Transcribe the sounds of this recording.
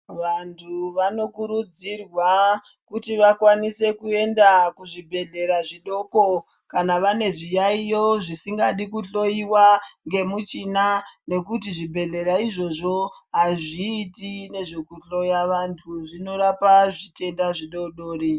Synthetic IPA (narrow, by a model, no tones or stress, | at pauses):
ʋantʰuʋano̞kuɾud͡zirwakutiʋakwanise̞kue̞ndakuʐibʱe̞ɮe̞ɾaʐiɗo̞ko̞ | kanaʋane̞ʐijaijo̞ʐisiŋɡaɗikuɬo̞iwaŋɡe̞mut͡ʃinane̞kutiʐibʱe̞ɮe̞ɾaiʐo̞ʐo̞ɦaʐiːtine̞ʐe̞kuɬo̞jaʋantʰuʐino̞ɾapaʐite̞ndaʐiɗo̞ɗoːri